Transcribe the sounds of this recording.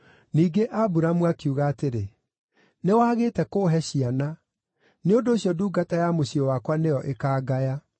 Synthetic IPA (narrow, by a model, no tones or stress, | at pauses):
niːɡeʔabuɾamuakuɣaːteɾe | newaːɣeːtɛkoːɦɛɕiana | neondoːɕjɔduːɡatajamoɕiɔwakwanejɔʔekaːɡaja